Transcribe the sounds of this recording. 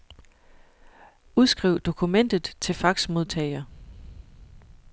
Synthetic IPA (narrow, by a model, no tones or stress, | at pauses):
uð̞ˠsɡ̥ʁiʊ̰d̥o̝kʰumen̰d̥ð̩ˠt͡sʰe̝lfɑ̈ɡ̥smo̝ð̞ˠt͡sʰɛ̰ɪɐ